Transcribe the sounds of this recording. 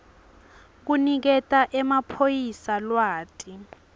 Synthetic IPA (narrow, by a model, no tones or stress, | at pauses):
k̬unik̬ɛtʼaʔɛmapʰojisalwaːtʼi